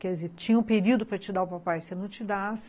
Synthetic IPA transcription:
kɛd͡ʒizeɾt͡ʃĩɲɐũpeɾid̪ʊpɾɐt͡ʃid̪aʊpapajsenɐ̃w̃t͡ʃid̪as

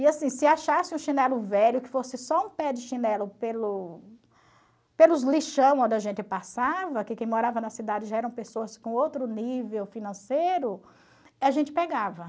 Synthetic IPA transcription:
ɪasĩsɪaʃasɪũʃinɛlʊvɛʎʊkɪ̥fosɪsɔũpɛdɪʃinɛlʊpelʊ | pelʊzliʃɐ̃w̃õd̪ɐʒẽnt͡ʃɪpasavɐkɪkẽj̃moɾavɐnɐsid̪ad͡ʒɪʒaɛɾɐ̃w̃pesoɐskõowt̪ɾʊnivewfinɐ̃sejɾʊ | aʒẽnt͡ʃɪ̥peɡavɐ

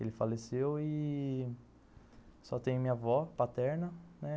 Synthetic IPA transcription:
elɪfalesewɪ | sɔt̪ẽj̃mĩɲɐvɔpat̪ɛɾnɐnɛ

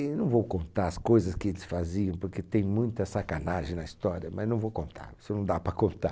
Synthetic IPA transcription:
nɐ̃w̃vowkõnt̪aɾɐskojzɐskɪelɪsfaziɐ̃w̃poɾket̪ẽj̃mũj̃t̪ɐsakanaʒẽj̃nɐist̪ɔɾiɐmɐznɐ̃w̃vowkõnt̪ʰa̰ɾosʊnɐ̃w̃d̪apɾɐkõnt̪a

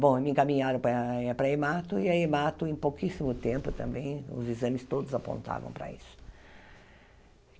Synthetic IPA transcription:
bõemɪẽkamĩɲaɾɐ̃pɐɛpɾɐemat̪ʊiɐemat̪ʊẽj̃pokisimʊt̪ẽmpʊt̪ɐ̰̃mbẽj̃ʊ̰zizɐ̃mɪst̪od̪ʊzapõ̰nt̪a̰vɐ̰̃w̃pɾɐ̰isʊ̥

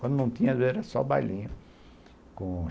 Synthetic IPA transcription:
wɐ̃nd̪ʊnɐ̃w̃t̪ĩɲɐd̪eɛɾɐsɔ̰ba̰jlĩɲʊ | kõ

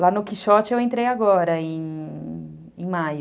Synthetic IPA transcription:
lanʊkiʃɔt͡ʃɪewẽnt̪ɾejaɡɔɾɐẽj̃ | ẽmajʊ

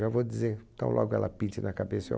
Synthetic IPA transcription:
avod͡ʒizeɾt̪ɐ̃w̃lʔɔ̰ɡʊɛ̰lʔɐpĩnt͡ʃɪnɐkabesɐo̰

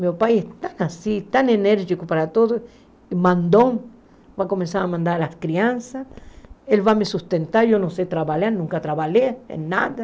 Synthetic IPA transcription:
meopajest̪anasit̪aneneɾʝikopaɾat̪oðo | imand̪om | bakomẽnsaɾamãnd̪aɾalaskɾiansaselβamesust̪ent̪aɾjonoset̪ɾaβalanũŋkat̪ɾaβaleḛnːad̪a

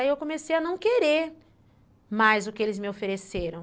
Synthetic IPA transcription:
aiewkõmesejɐnɐ̃w̃keɾeɾ | majzʊkɪelɪzmɪofeɾeseɾɐ̃w̃

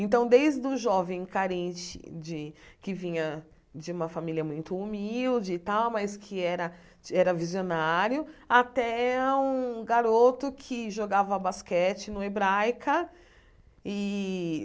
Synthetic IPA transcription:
ẽnt̪ɐ̃w̃d̪ejzd̪ʊʒɔvẽj̃kaɾẽnt͡ʃɪ̰d͡ʒɪkɪvĩɲɐ | d͡ʒɪũmɐfamilʲjɐmũj̃t̪ʊːmiiwd͡ʒɪːt̪awmɐskʰɪɛɾɐ | ɛɾɐvizionaɾjʊat̪ɛũɡaɾot̪ʊkʰɪʒoɡavɐbaskɛt͡ʃɪnʊebɾajkɐ | ɪ

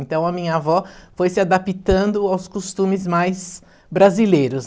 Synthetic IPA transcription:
ẽnt̪ɐ̃w̃ɐmĩɲɐavɔfojsɪad̪apit̪ɐ̃nd̪ʊawskost̪ũmɪzmajz | bɾazilejɾʊs

